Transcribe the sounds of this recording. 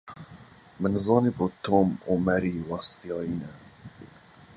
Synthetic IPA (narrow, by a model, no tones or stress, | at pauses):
mɨnzɑːnebot̪ʰoːmumɛɾiːwɑst̪ijɑːjiːnɛ